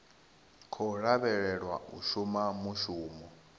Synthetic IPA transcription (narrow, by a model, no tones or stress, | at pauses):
kʰɔɺaβɛɺɛɺwa̰ṵʃumamuʃuːmɔ